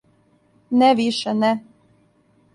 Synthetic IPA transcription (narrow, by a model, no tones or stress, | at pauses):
nɛʋiʃɛnɛ